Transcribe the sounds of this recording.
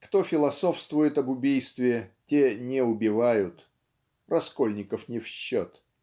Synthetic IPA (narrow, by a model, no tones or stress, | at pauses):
kt̪o̞fʲɪlˠɐso̞fst̪vʊjɪt̪ɐbʊbʲijst̪vʲɪtʲenʲɪʊbʲɪvajʊt̪ | rɐsko̞lʲnʲɪkəfnʲɪfɕːot̪